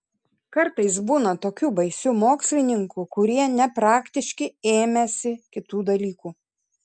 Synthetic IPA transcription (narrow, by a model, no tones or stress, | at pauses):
kɐɾt̪ɐɪs̬buːnɐt̪oːkʲuːbɐɪsʲumoːksʲlʲɪnʲɪŋkukʊɾʲiɛnʲɛpɾɑːkʲt̪ʲɪʃʲkʲɪeːmʲɛsʲɪkʲɪt̪uːd̪ɐlʲiːkuː